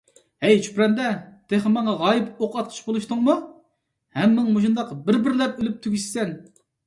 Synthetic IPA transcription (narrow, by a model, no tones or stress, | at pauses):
ɛjt͡ʃʰy̥pɾɛnd̪ɛt̪ʰeχɨmɑŋɑʁɑjɪpoqɑt̪̚qʰə̥ʃbolˠuʃt̪uŋmu | hɛmːɪŋmuʃund̪ɑqbɪɾbɪɾlɛpylyp̚t̪ʰyɡʲyʃsɛn